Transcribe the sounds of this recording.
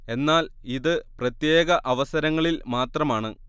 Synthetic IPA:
e̞nːaːliðɨprɐt̪je̞ːɣɐʔɐʋɐsɐɾɐŋːɐɭilmaːt̪rɐmaːɳɨ

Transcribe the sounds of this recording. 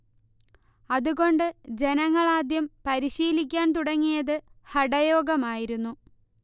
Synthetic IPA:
ɐðuɣo̞ɳɖɨd͡ʑe̞nɐŋːɐɭaːd̪jɐmpɐɾiɕiːlikʲːaːnt̪uɽɐŋːijɐðɨhɐɽɐjo̞ːɡɐmaːjiɾunːu

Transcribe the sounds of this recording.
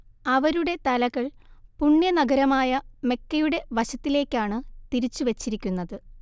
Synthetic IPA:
ɐʋɐɾuɽe̞t̪ɐlɐɣɐɭpuɳːjɐnɐɡɐɾɐmaːjɐme̞kːɐjuɽe̞ʋɐɕɐt̪ːile̞ːkʲːaːɳɨt̪iɾit͡ɕːuʋet͡ɕːiɾikʲːunːɐðɨ

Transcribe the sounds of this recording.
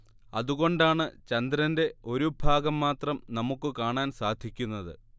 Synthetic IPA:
ɐðuɣo̞ɳɖaːɳɨt͡ɕɐnd̪ɾɐnde̞o̞ɾubʱaːɡɐmːaːt̪rɐmnɐmukːɨkaːɳaːnsaːd̪ʱikʲːunːɐðɨ̰

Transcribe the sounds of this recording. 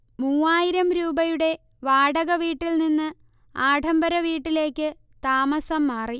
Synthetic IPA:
muːaːjiɾɐmɾuːbɐjuɽe̞ | ʋaːɽɐɣɐʋiːʈːilninːɨ | aːʈʰɐmbɐɾɐʋiːʈːile̞ːkːɨ | t̪aːmɐsɐmːaːri

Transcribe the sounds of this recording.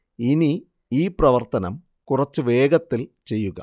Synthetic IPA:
ini | iːprɐʋɐrt̪ɐnɐm | kurɐt͡ɕːɨʋe̞ːɡɐt̪ːilt͡ɕe̞jːuɣɐ̰

